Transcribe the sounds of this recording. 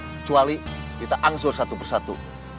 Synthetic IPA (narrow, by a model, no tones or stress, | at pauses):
kə̥t͡ʃualiɡit̪aʔaŋsʊrsat̪upərsat̪ṵ